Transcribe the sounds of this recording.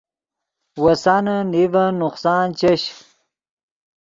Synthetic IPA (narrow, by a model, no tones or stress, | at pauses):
wɐsanɐnivɐnʊqsaːnt͡ɕeɕ